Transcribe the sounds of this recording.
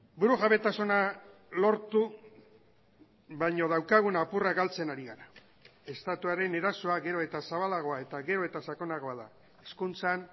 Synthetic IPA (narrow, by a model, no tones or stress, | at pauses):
buɾuɣaβe̞t̪asona | lo̞ɾt̪u | βajɲo̞ð̞awkaɣ̞unapuraɡalt͡se̞naɾiɣaɾa | e̞st̪at̪uaɾe̞ne̞ɾaso̞aɣe̞ɾo̞e̞t̪asaβalaɣ̞o̞ae̞t̪aɣe̞ɾo̞e̞t̪asako̞naɣ̞o̞aða | eskunt͡san